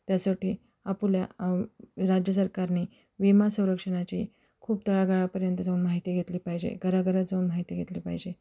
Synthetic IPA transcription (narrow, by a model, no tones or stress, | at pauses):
t̪jasoʈiː | apulja | ɾad͡ʑjəs̬əɾkaɾni | ʋimasə̃w̃ɾəkʂəɽ̃at͡ɕiː | kʰuːp̚t̪əɭaɡaɭapəɾjənt̪əd͡zauːnmaɦit̪iːɡʱet̪liːpaɦid͡ʑḛɡəɾaɡəɾad͡zəuːnmaɦit̪iːɡʱet̪liːpa̰ɦid͡ʑe